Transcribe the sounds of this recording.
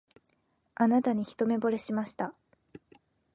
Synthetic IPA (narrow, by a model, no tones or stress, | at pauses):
anat̪aɲ̟içi̥t̪o̞me̞bo̞ɾe̞ɕimaɕi̥t̪a